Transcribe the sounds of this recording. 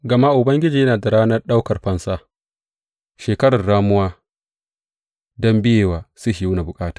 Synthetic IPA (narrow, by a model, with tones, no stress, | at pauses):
ɡɐ˨ma˦ʔʊ˨bɐ˦ŋɡʲɪ˦d͡ʒiː˨jɐ˦naː˨da˨ɾaː˦nɐ˦rɗa˦wkɐ˨rɸɐ˦nsaː˦ | ʃeː˨kɐ˦ɽɐ˨rɽaː˦mʊ˦waː˦ | dɔ˦mbɪ˦jeː˨waː˨sʊ˦hɪ˨ju˦na˨bʊ˨kʼaː˦tḁ˨